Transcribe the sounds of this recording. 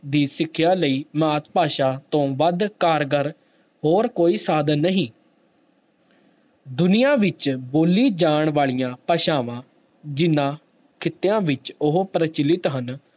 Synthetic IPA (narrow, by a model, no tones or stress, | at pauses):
d̪iːsɪkʰːjaːləiːmaːt̪paːʃaːt̪õːʋəd̪kaːɾɡəɾ | ɦoːɾkoːiːsaːd̪ənːəɦĩː | d̪ʊnɪjãːʋɪt͡ʃboːliːd͡ʒaːɳʋaːɭijãːpəʃaːʋãː | d͡ʒɪnːãː | kʰɪt̪ːejãːʋɪt͡ʃʊɦpɾət͡ʃɪlɪt̪ɦən